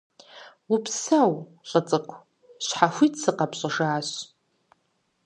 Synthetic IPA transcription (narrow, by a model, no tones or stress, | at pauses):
upʰsaw | ɬʼət͡sʼɨkʷʰ | ɕħaxʷitʼsɨqapɕʼɪʐaːɕ